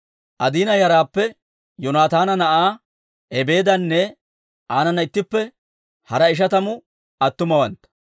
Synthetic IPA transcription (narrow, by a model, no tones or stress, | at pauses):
ʔɐd̪iːnɐjɐɾaːpːɛ | jʊnaːt̪aːnɐnɐʔaː | ɛbe̞ːd̪ɐnːɛ | ʔaːnɐnɐɪt̪ːɪpːɛ | hɐɾɐɪʃ̬ɐt̪ɐmʊ | ɐt̪ːʊmɐwɐnt̪ɐ̥